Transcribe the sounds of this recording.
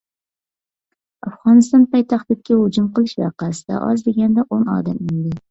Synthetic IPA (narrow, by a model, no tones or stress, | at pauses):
afʁɒnɪst̪ɒnpɑjt̪ʰaχt̪ɪk̚ʲkʲːahʊd͡ʒʊmqɨlˠɪʃvɑqasɪd̪a̰ʔɒ̰zd̪eɡʲand̪aʔonɒ̰d̪amɪnd̪ɪ